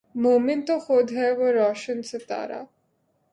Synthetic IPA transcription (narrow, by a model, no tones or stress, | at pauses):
moːmɪnt̪oxod̪ɦɛʋoɾɔːʃənset̪a̰ːɾa̰ː